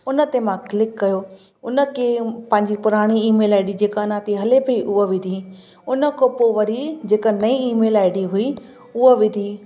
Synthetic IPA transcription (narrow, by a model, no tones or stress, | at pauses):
ʊnə̆t̪emãklɪkːɐjo | ʊnə̆kʰepɐ̃ɦɪ̃ɲd͡ʑipʊɾaːɽ̃iiːmeːlaːɪɖid͡ʑeːkanãt̪iɦɐlepɐiʔʊɦəʋɪ̃d̪ʱi | ʊnə̆kopoʋɐɾid͡ʑeːkənɐĩiːmeːlaːɪɖiɦʊi | ʊəʋɪ̃d̪ʱi